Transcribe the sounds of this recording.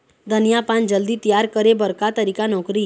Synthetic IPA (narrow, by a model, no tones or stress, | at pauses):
d̪ʱənjapand͡ʑəld̪iːt̪ijaɾkəɾebəɾkat̪əɾikanɔkɾi